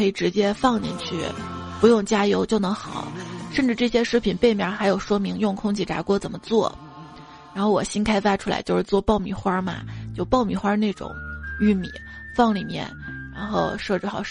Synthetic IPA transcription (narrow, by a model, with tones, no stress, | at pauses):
ɤ˧˥i˨˩ʈ͡ʂɻ̩˧˥t͡ɕjɛ˥fɑ˥˧ŋnḭ˧˥nt͡ɕʰy˥˩pu˧˥jʊ˥˩ŋt͡ɕja˥jo˧˥ʊt͡ɕjo˥˩ʊnɤ˧˥ŋxɑ˨˩˦ʊʂə˥˧nʈ͡ʂɻ̩˥˧ʈ͡ʂɤ˥˩ɕjɛ˥ʂɻ̩˥pʰi˨˩npe˥˩ɪmjɑ˧˥xa˧˥ɪjo˨˩ʊʂwɔ˥mi˧˥ŋjʊ˥˩ŋkʰʊ˥ŋt͡ɕʰi˧˥˩ʈ͡ʂa̰˧˥kwɔ˥t͡sə˨˩nmə˦t͡swɔ˥˩ | ɻa˧˥nxo˥˩ʊwɔ̰˨˩ɕi˥nkʰa˥ɪfa˥ʈ͡ʂʰu˥la̰˧˥ɪt͡ɕjo˥˧ʊʂɻ̩˥˧t͡swɔ˥˧pɑ˥˩ʊmḭ˨˩xwa˥mɐ̰˧t͡ɕjo˥˧ʊpɑ˥˩ʊmi˨˩xwa˥ne˥˩ɪʈ͡ʂʊ̰˨˩˦ŋy˥˩mḭ˨˩˦ | fɑ˥˩ŋli˨˩mjɛ̰˥˧˩nɻa˧˥nxo˥˧ʊʂɤ˥˧ʈ͡ʂɻ̩˥˩xɑ˨˩ʊ